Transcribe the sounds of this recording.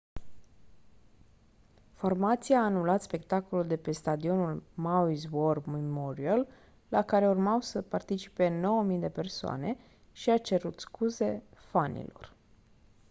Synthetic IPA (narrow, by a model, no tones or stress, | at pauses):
fo̞rmat̪siaːnulat̪spe̞k̚t̪ako̞luld̪e̞pe̞st̪ad̪io̞nulmawizwormimoɾialː | akaɾe̞urmawsəpart̪it͡ʃi̥pe̞no̞wəmijd̪e̞pe̞rsoa̰ne̞ | ʃiat͡ʃe̞ɾut̪skuze̞fanḭlo̞̰r